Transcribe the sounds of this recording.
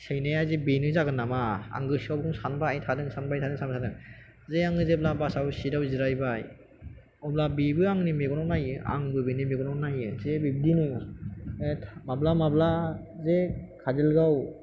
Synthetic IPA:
sejnajazibinɯzaɡɯnamaa̰ŋɡɯsiawbɡɯmsanbaajtʰadɯŋsanbajtʰadɯŋsʰanbasʰadɯŋ | zeaŋɡɯzeblabasawsidawziɾajbaj | ɔblabibɯaŋnimeɡɔnɔwnajɯa̰ŋbɯbinimeɡɔnɔnajɯzebib̚dinɯ | tʰmablamablazekʰazilɡaw

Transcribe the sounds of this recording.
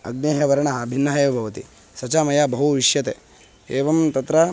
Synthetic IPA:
ɐ̰ɡneːɦɐʋɐɾɐɳɐɦɐbʱinːɐɦɐjɐbʱɐʋɐt̪ḭ | sɐt͡ʃaːmɐjabʱɐɦuʋiʂjɐt̪eː | eːʋɐmt̪ɐt̪ɾɐ

